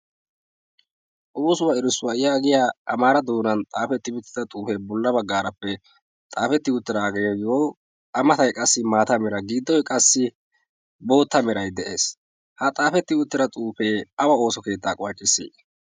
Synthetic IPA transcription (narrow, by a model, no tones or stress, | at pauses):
ʔuːsʊwɐɪɾɪsːʊwɐɪjaːɡɪjaːɐmaːɾɐd̪uːnɐnt̪ʼaːfɛt̪ːɪbɪt̪ːɪd̪ɐt̪ʼuːfeːbɔlːɐbɐɡːaːɾɐpːɛ | t̪ʼaːfɛt̪ːɪʊt̪ːɪɾaːɡejɡɪjo | ʔɐmɐt̪ɐjkʼɐsːɪmaːt̪ɐmɛɾɐɡiːd̪ːɔjkʼɐsːɪ | bo̞ːt̪ːɐmɛɾɐjd̪ɛʔe̞ːs | hɐt̪ʼaːfɛt̪ːɪʊt̪ːɪɾɐt̪ʼuːfe̞ːɐwɐo̞ːsɔke̞ːt̪ːaːkʼʊwɐt͡ʃʼːɪsːḛː